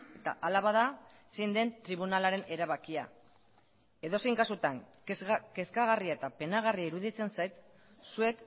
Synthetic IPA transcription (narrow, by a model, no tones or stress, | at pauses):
e̞t̪a̰ʔalaβaðasejnd̪e̞nt̪ɾiβunalaɾe̞ne̞ɾaβakia̰ | e̞ðo̞sejŋkasut̪aŋ | ke̞skaɣ̞ariae̞t̪ape̞naɣ̞ariaiɾuðit͡se̞nsajt̪ | sue̞k